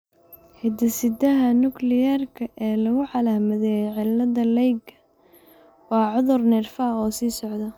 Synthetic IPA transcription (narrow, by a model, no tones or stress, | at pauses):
hɛd̪ɐsɪd̪ɐɦɐnʊklɪjarkʰɐʔɛːlɐɣʊʕɑlaːhmɐðɛʕɪlːɐðɐlɛjɡɐ | wɑːʕʊðʊrnɪrfaːqɔːsiːsɔʕd̪ɐ